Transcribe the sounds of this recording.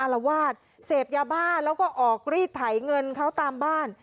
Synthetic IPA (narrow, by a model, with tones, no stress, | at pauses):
ʔa˧la˧waː˥˩t̪̚ | seː˨˩p̚jaː˧baː˥˩nlɛː˦˥wkɔː˥˩ʔɔː˨˩k̚ɾiː˥˩p̚t̪ʰːa˩˦jŋɤ˧nkʰa˦˥wt̪aː˧mbaː˥˩n